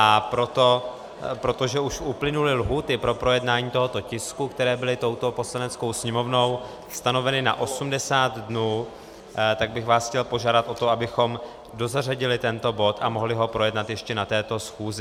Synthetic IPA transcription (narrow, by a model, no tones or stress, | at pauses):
ʔapɾot̪o | pɾo̞t̪o̞ʒɛʔuʃʔuplɪnulɪlɦuːt̪ɪpɾo̞pɾo̞jɛdnaːɲiːt̪o̞ɦo̞t̪o̞cɪskukt̪ɛɾɛːbɪlɪt̪o̞wt̪o̞po̞slanɛt͡sko̞wsɲɛmo̞vno̞w | st̪ano̞vɛnɪna̰ʔo̞sumdɛsaːt̪dnuː | t̪aɡ̚bɪxvaːsxcɛlpo̞ʒaːdat̪ʔo̞t̪o̞abɪxo̞m | do̞zaraɟɪlɪt̪ɛnt̪o̞bo̞t̪amo̞ɦlɪɦo̞pɾo̞jɛdnat̪jɛʃcɛnat̪ɛːt̪o̞sxuːzɪ